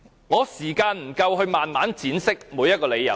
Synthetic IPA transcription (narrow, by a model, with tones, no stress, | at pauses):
ŋɔː˨˧siː˨˩kaː˧nm̩˨˩kɐ˧wɦɵ˧ɥmaː˨nmaː˨˥nt͡siː˨˥nsɪ˥k̚muː˨˧jɐt̚kɔː˧le˨˧jɐ̰˨˩